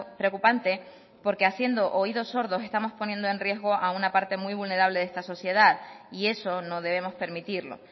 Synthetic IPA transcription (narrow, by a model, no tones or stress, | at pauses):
pɾeokupant̪e̞ | po̞ɾke̞asje̞nd̪o̞ʔoiðo̞so̞ɾðo̞se̞st̪amo̞spo̞nje̞nd̪o̞e̞nrje̞zɣo̞ʔaunapaɾt̪e̞mwiβulne̞ɾaβle̞ð̞e̞st̪aso̞sje̞ðaðie̞so̞no̞ðe̞βe̞mo̞spe̞ɾmit̪iɾlo̞̰